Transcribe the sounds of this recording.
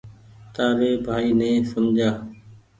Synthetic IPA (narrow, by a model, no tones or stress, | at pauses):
t̪aːɾeːbʱaːiːnẽːsəmd͡ʒaː